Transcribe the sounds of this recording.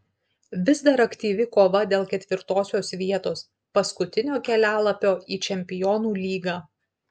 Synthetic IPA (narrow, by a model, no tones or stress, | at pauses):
ʋʲɪzd̪ɐɾɐkt̪ʲiːʋʲɪkoːʋɐd̪ʲeːlˠkʲɛt̪ʲʋʲɪɾt̪oːsʲoːsʋʲiɛt̪oːs | pɐskʊt̪ʲɪnʲoːkʲɛlʲæːlˠɐpʲoːiːt͡ʃʲɛmʲpʲɪjɔːnuːlʲiːɡɑː